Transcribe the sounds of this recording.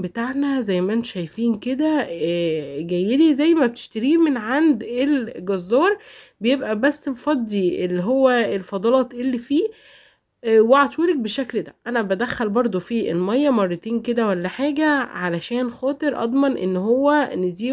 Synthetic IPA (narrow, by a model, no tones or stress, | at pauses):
bet̪aʕnæzæjːmæʔent̪o̥ʃæjfiːnked̪æː | ɡæjːelizæjːmæb̚t̪e̥ʃt̪æɾiːmenʕand̪elɡɑzːɑːɾˤ | bejebʔæbæsːlfɑd̪ˤːiʔelːiɦowːæelfɑd̪ˤɑlɑːt̪ʔelːifiː | weʕɑt̪ˤulek̚beʃːækld̪æʔænæbæd̪æxːælbɑɾˤd̪ˤofiːelmæjːæmɑrˤːɑt̪iːnked̪æwælːæħaːɡæʕalæʃæːnxɑːt̪ˤeɾʔɑ̰d̪ˤmɑnʔḛnːɦowːæned̪iː